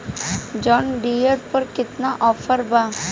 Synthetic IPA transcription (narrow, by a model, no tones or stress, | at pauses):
d͡ʒɔːnɖiːəɾpɐɾkɪt̪naʔɔːfʰəɾbaː